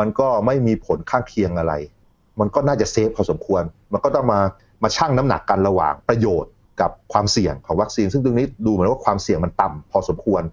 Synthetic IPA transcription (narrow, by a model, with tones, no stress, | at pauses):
ma˧nkɔː˥˩ma˥˩jmiː˧pʰo˩˦nkʰaː˥˩ŋkʰi˧əŋʔa˧ɾa̰˧j | ma˧nkɔː˥˩naː˥˩t͡ɕa˨˩se˦˥p̚ʰɔː˧so˩˦mkʰu˧ənma˧nkɔː˥˩t̪ɔ˥˩ŋmaː˧ | maː˧t͡ɕʰaː˥˩ŋna˦˥mna̰˨˩kːa˧nɾa˧wa̰ː˨˩ŋpɾa˧joː˨˩t̪̚ | ka˨˩p̚kʰwaː˧msi˨˩əŋkʰɔː˩˦ŋwa˦˥k̚si˧nsɯ˥˩t̪u˧ŋniː˦˥˩duː˧m˨˩˦nwaː˥˩kʰwaː˧msi˨˩əŋma˧nt̪a˨˧mpʰɔː˧so˩˦mkʰu˧ən